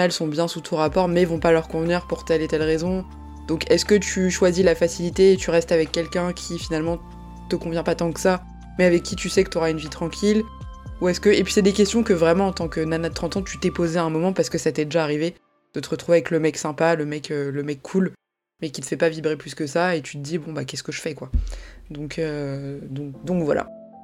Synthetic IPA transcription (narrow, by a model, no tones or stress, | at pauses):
ɛlsɔ̃bjɛ̃sut̪ʰɔ̃ʁapɔʁmɛvɔ̃palœʁkɔ̃vniʁpuʁt̪ɛlet̪ɛlʁezɔ̃ | d̪̥ɔ̃kʰɛskət̪yʃwazilafasilit̪eːt̪yʁɛst̪avɛkːɛlkʲɛ̃kʲʰifinalmɑ̃ | t̪əkɔ̃vjɛ̃pat̪ɑ̃kə̥sa | mɛavɛkːit̪ysɛkə̥t̪ɔʁaynvit̪χɑ̃kʲʰiluɛskəepɥi̥sɛd̪ekʲɛst̪jɔ̃kəvʁɛmɑ̃ːt̪ɑ̃kənanad̪̚t̪χɑ̃t̪ɑ̃t̪yt̪ɛpozeaɛ̃mɔmɑ̃paʁsə̥kəsat̪ɛd̪eʒaːʁive | d̪̥ət̪əʁət̪χuveavɛkləmɛksɛ̃paləmɛkøləmɛkːʰul | mɛkʲit̪ə̥fɛpavibʁeplyskəsaet̪y̥t̪əd̪ibɔ̃bakʲɛskəʒəfɛkwad̪ɔ̃kʰød̪ɔ̃k̚d̪ɔ̃kvwa̰la̰